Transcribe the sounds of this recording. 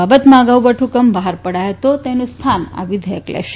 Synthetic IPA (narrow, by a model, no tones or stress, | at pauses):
abət̪maɡawbəʈʰukəmbaɦaɾpəɽajt̪ot̪ɛnust̪ʰana̰ʋid̪ʱekla̰ɕ